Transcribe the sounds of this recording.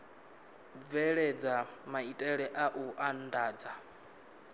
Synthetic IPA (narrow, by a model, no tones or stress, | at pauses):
vɛɺɛd͡zamaitʼɛɺɛʔaʔuʔandaːd͡za